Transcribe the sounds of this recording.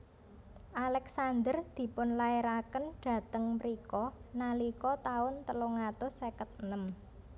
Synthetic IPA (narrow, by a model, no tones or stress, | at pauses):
ʔalɛksand̪ərd̪̥i̤pʊnlaeɾakənɖ̪̥ä̤t̪əŋmɾikɔnalikɔt̪aʊnt̪əloŋat̪ʊsekət̪̚nəm